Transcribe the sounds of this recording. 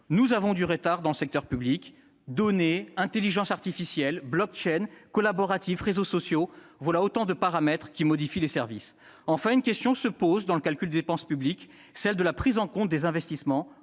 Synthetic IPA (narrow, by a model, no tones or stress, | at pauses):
nuzavɔ̃d̪yʁət̪aʁd̪ɑ̃ləsɛk̚t̪œʁpyblik | d̪ɔneɛ̃t̪eliʒɑ̃saʁt̪ifisjɛlblɔk̚t͡ʃɛnkɔlabɔʁat̪ifʁezosɔsjovwalaot̪ɑ̃d̪əpaʁamɛt̪χkʲimɔd̪ifilesɛʁvis | ɑ̃fɛ̃ynkʲɛst̪jɔ̃səpozd̪ɑ̃ləkalkʲyld̪ed̪epɑ̃spyblik | sɛld̪əlapχizɑ̃kɔ̃t̪̚d̪ezɛ̃vɛst̪ismɑ̃